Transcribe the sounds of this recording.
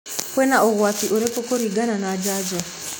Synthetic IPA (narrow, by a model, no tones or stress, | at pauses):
kwɛnaɔɣwatiʔoɾekokoɾiɡananad͡ʒad͡ʒɔ